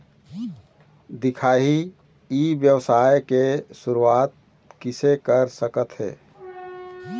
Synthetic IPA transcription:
d̪ɪkʰaːɦi | ibjəwsaːjkesuɾuaːt̪̚ | kɪsekəɾsəkət̪ɦɛ̰ː

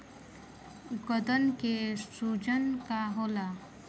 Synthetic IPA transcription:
ɡəd̪ənkesud͡ʑənkaɦola

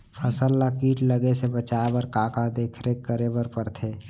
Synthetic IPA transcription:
pʰəsəlːakiːʈləɡesebət͡ʃaːbəɾkaːkad̪eːkʰɾekːəɾebəɾpəɽt̪ʰeː

